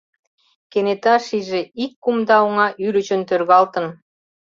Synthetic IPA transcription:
kenet̪ɑʃiʒeikːumd̪ɑoŋɑʔyɾət͡ɕə̆nt̪ørɣɑlt̪ə̆n

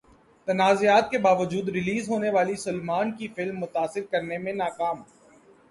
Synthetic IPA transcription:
t̪ɐnaːzijaːt̪̚kebaːʋəd͡ʒuːd̪ɾɪliːzɦoːneʋaːlisʊlmaːnkifɪlmːʊt̪aːsɪɾkɐɾnemẽnaːkaːm

